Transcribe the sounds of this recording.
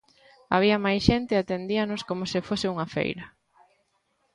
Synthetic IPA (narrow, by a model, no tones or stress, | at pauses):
aβ̞iɐmajsʃent̪ɪat̪end̪iɐnoskomʊsɪfosɪuŋɐfḛjɾɐ